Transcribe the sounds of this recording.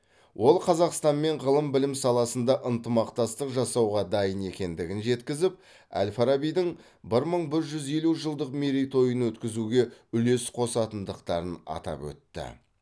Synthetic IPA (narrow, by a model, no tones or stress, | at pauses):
wʔo̞lˠqʰɑzɑqst̪ɑnme̞ɴʁəlˠəmbɪlɪmsɑlˠɑsənd̪ɑʔənt̪əmɑqt̪ɑst̪əqʒɑsɑwʁɑd̪ɑjəne̞kʲe̞nd̪ɪɡʲɪnʒe̞t̪kʲɪzɪp̚ | æ̰lʲfaɾabijd̪ɪŋ | bɪɾməɴbɪɾʒʏze̞luʒəlˠd̪əqmeɾijt̪ʰo̞jənwɵt̪kʲɪzuɡʲe̞ʏle̞sqʰo̞sɑt̪ənd̪əqt̪ɑɾənɑ̰t̪ɑ̰pwɵ̰t̪ːɪ̰